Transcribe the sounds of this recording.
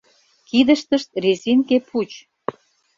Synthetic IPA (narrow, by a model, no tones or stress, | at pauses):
kid̪əʃt̪əʃt̪̚rezʲinkeput͡ɕ